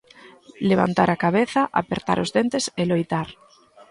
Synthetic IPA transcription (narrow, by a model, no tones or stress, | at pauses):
leβ̞a̰nt̪aɾakaβeθaʔapeɾt̪a̰ɾʊzðent̪eselojt̪aɾ